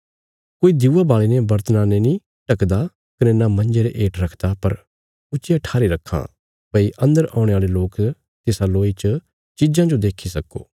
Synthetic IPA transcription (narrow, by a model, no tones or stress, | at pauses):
koːid̪juːabaːɭenɛbɐɾt̪ənãːnenĩ | ʈɐkd̪a | kɐnɛnamɐ̃nd͡ʒeɾeʔeːʈɾɐkʰd̪apɐɾ | ʊt͡ʃɪjaʈʰaːɾiɾɐkʰːã̰ | pəiʔɐ̃nd̪əɾʔã̰ːʊ̃ɽ̃eaːleloːk | t̪ɪsaloːit͡ʃə | t͡ʃid͡ʒãd͡ʒod̪eːkʰisɐko̰ː